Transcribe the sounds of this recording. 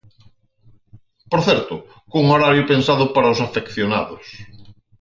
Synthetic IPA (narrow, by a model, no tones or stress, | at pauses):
poɾθɛɾt̪ʊ | kuuŋoɾaɾjopensaðʊpaɾaosafekθjona̰ðʊs